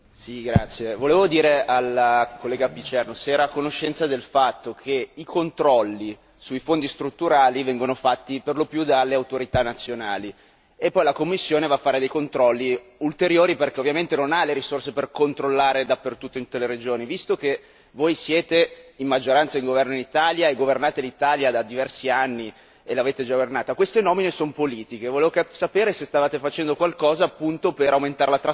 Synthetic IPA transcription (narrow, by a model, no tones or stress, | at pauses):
siɡɾa̰t̪sːjevoleːvod̪iːɾeʔalkolːɛːɡapit͡ʃɛrnosɛːɾakonoʃːɛnt̪sad̪elfat̪ːokʰeikont̪ɾɔlːi | suifond̪ist̪ɾut̪ːuɾaːlivɛŋɡonofat̪ːiperlopjud̪alːeawt̪oɾit̪anːat̪sːjonaːli | epːɔjlakomːisːjoːnevaːfːaːɾed̪ejkont̪ɾɔlːiult̪eɾjoːɾiperkeovjament̪enonaleɾisorseperkont̪ɾolːaːɾed̪apːert̪ut̪ːoeinut̪ːeleɾed͡ʒoːnivist̪ok̟e | voːjsjɛːt̪eimːad͡ʒːoɾant̪saiŋɡovɛrnoinit̪aljaeɡovernaːt̪elit̪aljad̪ad̪ivɛrsianːi | elaveːt̪ed͡ʒaɡvernaːt̪akwest̪enɔːminesonopoliːt̪ik̟evoleːvoksapeːɾesest̪avaːt̪efat͡ʃɛnd̪okwalkɔːzaːpːunt̪opeɾawment̪aːɾelat̪ɾa